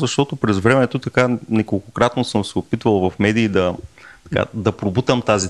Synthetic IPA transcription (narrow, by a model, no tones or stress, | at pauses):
zɐʃt̪ɔt̪opɾɛzvɾɛmɛt̪ot̪ɐkanɛkolˠkokɾat̪nosɤmsɛopit̪vɐlˠvɐfmɛd̪iːd̪ɐt̪ɐ̥ka̰d̪ɐpɾʊbut̪əmt̪azi